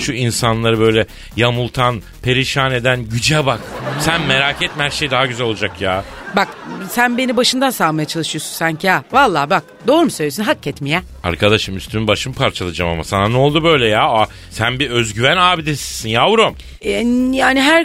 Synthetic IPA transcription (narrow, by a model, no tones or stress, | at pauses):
ʃuinsanlˠaɾɯbø̞jlʲɛ | jamulˠt̪ʰan | pʰe̞ɾiʃaːne̞d̪ænɟyd͡ʒɛbaksænme̞ɾacɛt̪̚mɛhæɾʃe̞jd̪aɦaɟyzælʲo̞lˠuad͡ʒakjaːbaksænbe̞nibaʃɯnd̪ansaːmajat͡ʃʰalˠɯʃɯjo̞sunsaɲcʰiaːvalˠːaːbak̚d̪o̞ːɾumusøjlʲes̬ynɦacːɛt̪mijɛ | a̰ɾkʰad̪aʃɯmyst̪ʰynynbaʃɯmpʰaɾt͡ʃʰalˠad͡ʒamamasananolˠd̪ubø̞jlʲɛjaːa | sænbiøzɟyvænaːbid̪esi̥sinjaːuɾom | jaːniɦæɾ